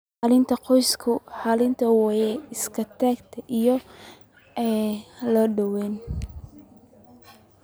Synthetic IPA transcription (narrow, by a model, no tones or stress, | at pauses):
ħɑlɪnt̪ʰɐqɔjskʰʊħɑlɪnt̪ʰɐwɑjɛɪskʰɐt̪ʰaːɡt̪ʰɐʔijɔ | ɛlɔɖɐwɛːn